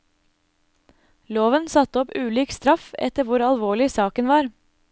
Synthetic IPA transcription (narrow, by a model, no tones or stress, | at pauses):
loːʋənsɑt̪əɔpʉːlyːkst̪ɾɑfɛ̰t̪əʋʊɾɑlʋoːɭɪsɑːkənʋɑːɾ